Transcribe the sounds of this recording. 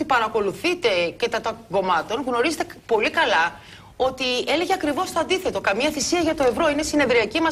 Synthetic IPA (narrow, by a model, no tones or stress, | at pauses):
t̪ipɐɾɐko̞luθit̪e̞kɐt̪ɐt̪oɡo̞mɐt̪o̞nɣno̞ɾizet̪e̞po̞likɐlɐ | o̞t̪ie̞le̞ʝe̞ɐkɾivo̞st̪o̞ɐnd̪iθe̞t̪o̞kɐmiɐθisiɐʝɐt̪o̞e̞vɾo̞inesine̞ðɾiɐcimɐ